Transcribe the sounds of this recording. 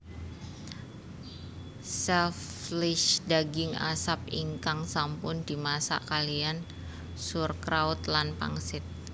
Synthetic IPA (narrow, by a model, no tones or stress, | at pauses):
sɛflɪʃdaɡɪŋa̰sap̚iŋkaŋsampʊndimasa̰kalian | surkɾaut̪lanpa̰ŋsɪt̪̚